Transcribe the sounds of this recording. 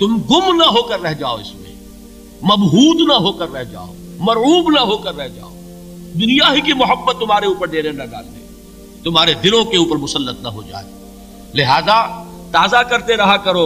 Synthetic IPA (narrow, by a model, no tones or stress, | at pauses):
t̪ʊmɡʊmnɐɦoːkəɾːɛɦd͡ʒaːo̰ɪ̰smḛ̃ | mɐbɦuːd̪nɐɦoːkəɾːɛɦd͡ʒa̰ːo̰ː | mɐɾuːbnɐɦokəɾːɛɦd͡ʒa̰ːo̰ː | d̪ʊnijaɦikimʊɦəbːət̪ːʊmɦaːɾeuːpəɾd̪eːɾenɐɖa̰ːld̪ḛ̃ː | t̪ʊmɦaːɾed̪ɪlõkeuːpəɾmʊsəlːət̪nɐɦo̰d͡ʒa̰ːḛː | lɪɦaːza | t̪aːzakɐɾt̪eɾɐɦakɐɾoː